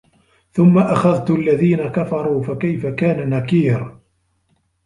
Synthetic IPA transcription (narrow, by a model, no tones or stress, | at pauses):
θʊmːaʔaxaðt̪alːaðiːnakafɑɾˤuːfakajfakaːnanakiːɾ